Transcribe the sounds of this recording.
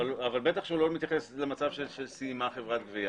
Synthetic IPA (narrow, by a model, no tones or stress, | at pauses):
alavalbe̞t̪aχʃeulomit̪jaχeslemat͡savʃelʃelsiimaχevʁat̪̚ɡvia